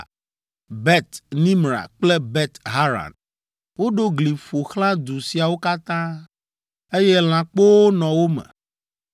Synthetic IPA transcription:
bɛ˦t̪nĩ˦mɾa̰˨k͡ple˦bɛ˦t̪ɦa˦ɾã̰˨n | wo˦ɖo˦ɡli˨fo˨xl̃ã˦d̪u˨si˨a˨wo˦ka˦t̪ã˦ | e˦jɛ˦l̃ã˨k͡po˦nɔ̃˨wo˦mɛ̰̃˨

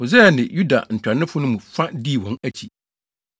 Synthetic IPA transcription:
ho˨zɛ˦˨nɪ̰̃˨ju˦da̰˨n̩˨tʰᶣa˨nɪ̃˦fʊ˦nʊ̃˦mũ˨fa˦di˦˨wɔ̃˨næ˦t͡ɕʰi˨

